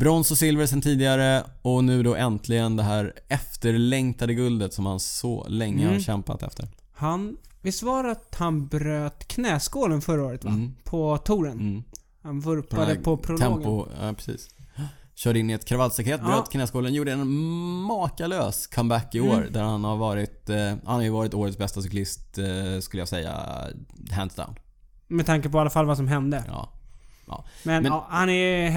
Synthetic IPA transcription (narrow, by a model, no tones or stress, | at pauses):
b̥ɾɔnsʊsɪlvəɾsɛnt̪ʰiːd̪ɪɡaɾə | ɔnʉ̟ːd̪ɔʔɛnt̪ʰlɪɡənd̪ɛɦæːɾɛft̪əɾlɛŋt̪ad̪əɡɵld̪ət̪sɔmha̰nsɔ̰lɛŋːəhaɕɛmpa̰t̪ɛ̰ft̪ʰə̰ɾ | hanvɪsvɑːɾaat̪hanbɾøːt̪kʰnɛːskoːlənfœɾaoːɾət̪vpʰɔt̪ʰuːɾən | hanvɵɾpad̪əɔtpʰɾʊlʰɛmːɡʊɑ̰ːpʰɾɛsḭːs | ɕœːɖəɪnːɪɛt̪kʰɾavalsakʰɾeːt̪̚bɾøːt̪kʰnɛːskoːlənjuːɖəɛnmɑːkaløːskʰambækːɪoːɾd̪æɾhanhaɾvɑːɾɪt̪hanhaɾjəvɑːɾɪt̪oːɾət̪sbɛst̪asʏklɪst̪skɵləjasɛjːa̰ | ɦæ̰nsd̪a̰ʊnd̪ | mɛt̪ʰaŋkəpɔalːafalvas̬ɔmɦɛnd̪əɑ̰ːʔɑ̰ːmɛnmɛɑːhanɛ